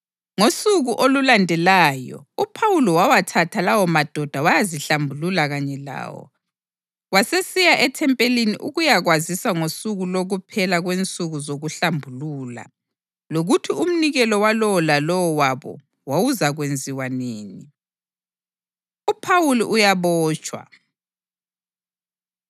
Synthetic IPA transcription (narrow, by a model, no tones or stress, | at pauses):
ŋosuɣuʔolulandʱɛlaːjɔ̰upʰawuliwawatʰatʰalawɔmad̥ʱɔd̥ʱawajaziɬambʱululaɣaɲɛla̰ːwɔ̰ | wasesijaʔɛtʰɛmpʼelinḭʔuɣujaɣwazisaŋosuɣuloɣupʰɛlaɣwent͡sʼuɣuzoɣuɬambʱuluːla̰ | loɣutʰium̩niɣɛlɔwalɔlalɔwɔwaβɔ̰ | wawuzaɣwend͡zʱiwaneːni | upʰawuliʔujaβɔːt͡ʃʼwa̰